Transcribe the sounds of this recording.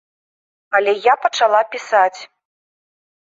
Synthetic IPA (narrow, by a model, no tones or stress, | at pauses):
ɐlʲɛjapɐt͡ʂalˠapʲisat͡sʲ